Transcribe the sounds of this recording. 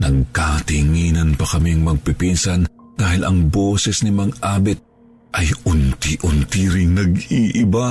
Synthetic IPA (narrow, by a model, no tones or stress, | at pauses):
nɐɡ̚kat̪iŋiːnɐnpɐkɐmiŋmɐɡ̚pɪpinsɐnd̪̥aːhɪlʔɐŋboːsɛsnɪmɐŋʔaːbɛt̪̚ | ʔɐjʔʊnt̪iʔʊnt̪iɾɪŋnɐɡiːʔɪba